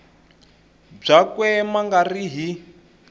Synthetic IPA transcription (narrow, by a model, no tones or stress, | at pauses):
b͡ʐakwɛmaŋɡariɦi